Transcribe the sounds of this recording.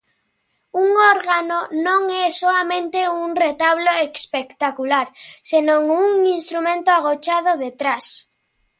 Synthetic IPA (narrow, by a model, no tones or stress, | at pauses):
uŋoɾɣanonõŋɛsoamẽnt̪euŋret̪aβloekspekt̪akulaɾsenõŋuŋinst̪ɾumẽnt̪oaɣ̞ot͡ʃað̞oðet̪ɾas